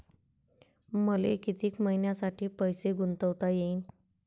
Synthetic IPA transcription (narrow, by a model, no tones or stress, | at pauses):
məlḛkit̪iːkməɦinjasaʈiːpəjseɡunt̪əʋt̪ajeiːn